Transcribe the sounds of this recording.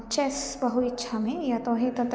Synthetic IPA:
t͡ʃɛːsbɐɦut̪ɪtːʃʰamẽjat̪oːɦẽt̪ɐt̪

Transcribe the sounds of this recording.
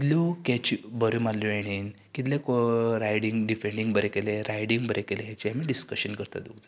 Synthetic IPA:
t̪lukɛt͡ɕibəɾumalːueɽ̃iːn | kit̪lẽkoɾajɽiŋɡɖifeɳɖiŋɡbəɾekeleɾajɽiŋɡbəɾʔekeleɦat͡ɕiamiɖiskəɕənkəɾt̪a̰d̪uɡd͡z̪a

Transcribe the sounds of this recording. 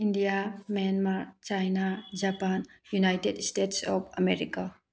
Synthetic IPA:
indijamɛnmaɾt͡ʃajnad͡ʒapanjunajtedstetsɔpʰɐmeɾika

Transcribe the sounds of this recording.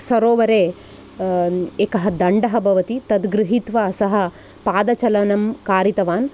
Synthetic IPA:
sɐɾoːʋɐɾeː | eːkɐɦɐd̪ɐɳɖɐɦɐbʱɐʋɐt̪it̪ɐd̪ɡɾɨɦit̪ʋaːsɐɦɐ̆ | paːd̪ɐt͡ʃɐlɐnɐmkaːɾit̪ɐʋaːn

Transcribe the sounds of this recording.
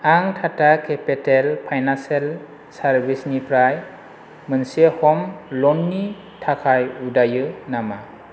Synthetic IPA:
aŋtʰatakʰepetelpʰajnansel | saɾbʱisnipʰɾaj | mɯnsehɔmlɔnːi | tʰakʰajudajɯnama

